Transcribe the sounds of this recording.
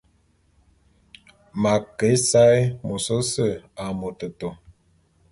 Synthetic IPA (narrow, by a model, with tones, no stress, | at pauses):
ma˨kə˨˦sa˦jmo˨so˦sə˦˨a˨mo˨tə˨to˨